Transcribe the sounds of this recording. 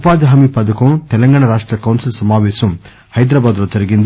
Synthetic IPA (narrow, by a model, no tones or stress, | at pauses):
paːd̪ɐɦɐmipɐd̪ɐkɐt̪ɛlɐŋɡaːɳɐɾaːʂʈɾɐkɐwnsilsɐmaːʋeːsɐm | hɐjd̪ɾaːbaːd̪lɐt̪ɐɾɐɡind̪